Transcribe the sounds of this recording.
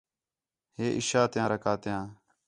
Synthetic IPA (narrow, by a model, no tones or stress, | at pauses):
heːʔɪ̰ʃaːt̪ɪjãːɾəkaːt̪ɪjãː